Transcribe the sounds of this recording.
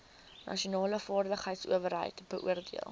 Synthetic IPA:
nʔɐ̰ʃiuonɑːləfɑːrdəχɦəjtsṵəvərɦə̰jtb̥əʔuərdiəlˠ

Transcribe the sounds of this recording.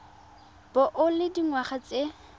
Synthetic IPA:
b̥ɔʔʊlɪdiŋwaχat͡se

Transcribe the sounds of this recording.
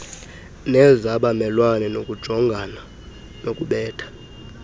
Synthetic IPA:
nɛzaɓamɛlwanɛnokʼud̥ʒ̥ʱɔŋɡʱan | nokʼuɓɛːtʰḁ

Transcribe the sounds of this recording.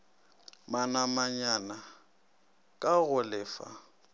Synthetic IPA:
manamaɲana | kʼaɣʊlɪːfa̰

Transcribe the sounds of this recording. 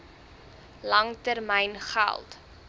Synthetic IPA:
lɐŋtərmɛjnχa̰lˠt

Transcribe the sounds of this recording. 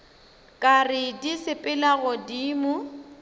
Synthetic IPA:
kʼarɪdisɪpʼɪlaɣʊdiːmʊ

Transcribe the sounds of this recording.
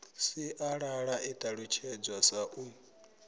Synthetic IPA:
siʔaɺaɺaʔitʼaɺut͡ʃʰɛd͡zwasaʔu

